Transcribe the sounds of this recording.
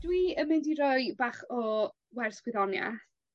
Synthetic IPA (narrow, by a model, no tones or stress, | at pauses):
d̥wiəmɪndiɾɔjbaːχɔ | wɛrskwɪðɔnja̰θ